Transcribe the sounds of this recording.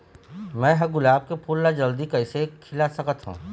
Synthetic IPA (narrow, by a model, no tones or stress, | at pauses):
mɛ̃ːɦɐɡʊlaːb̚kepʰuːlːad͡ʒɐld̪ikɐɪsekʰɪlasɐkət̪ɦṵ̃ː